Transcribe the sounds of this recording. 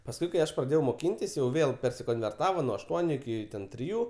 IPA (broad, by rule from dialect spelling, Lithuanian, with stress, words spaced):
pɐsˈkʊɪ kɐɪ ˈɐʃ prɐˈdʲeːjɛʊ moːˈkʲɪnʲtʲɪs jɛʊ ˈʋʲeːlˠ pʲɛrʲsʲɪkoːnʲʋʲɛrˈtɑːʋɐ nuɔ ɐʃˈtuɔnʲʊ ɪˈkʲɪ tʲrʲɪˈjuː